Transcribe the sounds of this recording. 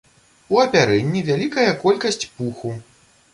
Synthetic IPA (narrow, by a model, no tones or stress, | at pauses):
uɐpʲaɾɛnʲːivʲalʲikɐjɐkɔlʲkɐsʲt͡sʲpuxu